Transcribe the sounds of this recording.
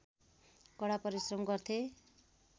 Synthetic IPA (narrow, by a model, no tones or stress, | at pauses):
kʌɽapʌɾisrʌmɡʌrt̪ʰe